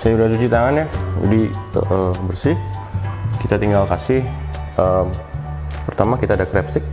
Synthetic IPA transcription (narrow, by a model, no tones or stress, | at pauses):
sajudas̬ut͡ʃit̪aŋanjad͡ʒa̰diə̰ʔəbərsɪh | kit̪at̪iŋɡalkasɪhəmpərt̪amakit̪aːdakɾɛpsɪk̚